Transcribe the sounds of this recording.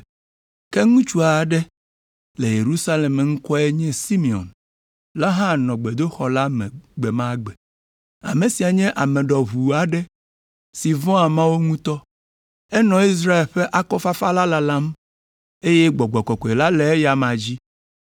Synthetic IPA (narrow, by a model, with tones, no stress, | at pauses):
kɛ˦ŋũ˦t͡ʃu˦a˨ɖɛ˦ | le˨je˨ɾu˦sa˦le˨me˦ŋ̩˦kɔ˦ɛ˦ɲɛ̃˦si˦mi˨ɔ̰˨n | la˦ɦã˦˨nɔ̃˨ɡ͡be˨d̪o˦xɔ˨la˦mɛ̰̃˨ɡ͡bɛ˨mã˦ɡ͡bɛ˨ | a̰˨mẽ˨si˨a˨ɲɛ̃˦ʔa˨mɛ̃˨ɖɔ˨βu˨a˨ɖɛ˦ | si˨vɔ̃˦a˨mã˦wo˦ŋũ˦t̪ɔ˦ | ɛ˦nɔ̃˨i˦s̬ɾa˦e˨lɸɛ˦ʔa˦kɔ˦fa˦fa˦la˦la˦lã˦m | e˦jɛ˦ɡ͡bɔ˨ɡ͡bɔ˨kɔ˨kɔ˨e˨la˦lɛ˨ɛ˦ja˨mã˨d͡ʑi˦